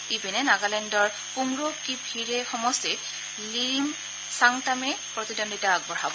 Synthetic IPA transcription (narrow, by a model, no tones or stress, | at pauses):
ibinɛnaɡalɛndɔɹ | puŋɹokibʱiɹɛxɔmɔstit̚ | liɹim | saŋtamɛpɹɔt̪idɔnditaːɡ̚bɔɹabɔ